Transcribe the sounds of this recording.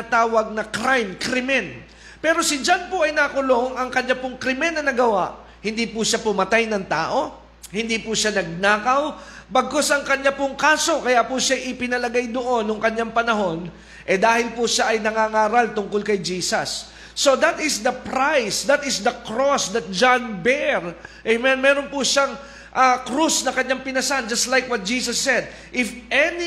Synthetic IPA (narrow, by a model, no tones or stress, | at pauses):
ɐt̪aːwɐɡ̚nɐkɾajmkɾɪmɛn | pɛːɾo̞sɪd͡ʒanpʊɐjnakʊlo̞ŋɐŋkɐɲːapʊŋkɾɪmɛnːɐnɐɡɐwaʔ | hɪnd̪iːpʊʃapʊmɐt̪ajnɐŋt̪aːʔo̞ | hɪnd̪iːpʊʃanɐɡ̚naːkɐwbɐɡ̚kosʔɐŋkɐɲːapʊŋkaːso̞kɐjaʔpʊʃajʔɪpɪnɐlɐɡajd̪oʔo̞nːʊŋkɐɲːaŋpɐnɐɦo̞n | ʔɛd̪aːhɪlpuʃaʔɐjnɐŋaŋaːɾɐlt̪ʊŋkolkɐjd͡ʒiːsɐ̰sː | o̞d̪ɐt̪ɪsd̪ɐpɹajsd̪ɐt̪ɪsd̪ɐkɹosd̪ɐt̪̚d͡ʒanbɛɹʔɛmɛnmɛːɾonpʊʃaŋ | ʔakɾusnɐkɐɲːaŋpɪnɐsand͡ʒɐst̪lajkwɐt̪̚d͡ʒiːsɐsːɛd̪̚ | ʔɪfʔɛni